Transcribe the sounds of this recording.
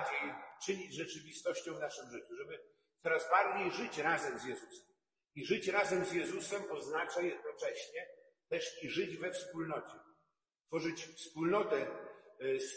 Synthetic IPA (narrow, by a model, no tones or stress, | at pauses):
d͡ʑejt͡ʂɘɲid͡ʑʐɛt͡ʂɘvʲist̪ɔɕt͡ɕɔ̃w̃vnaʂɘmʐɘt͡ɕuʐɛbɘ | t̪sɔɾazbaɾd͡ʑejʐɘt͡ɕɾazɛmzʲjɛzusɛm | iʐɘt͡ɕɾazɛmzjɛzusɛmɔznat͡ʂajɛd̪̚nɔt͡ʂɛɕɲɛ | t̪ɛʂiʐɘd͡ʑvɛfspulnɔt͡ɕɛ | t̪fɔʐɘt͡ɕfspulnɔt̪ɛ | s